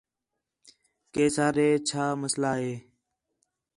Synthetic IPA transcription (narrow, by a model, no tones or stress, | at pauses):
keːsaːɾeːt͡ʃʰaːməslaːɦeː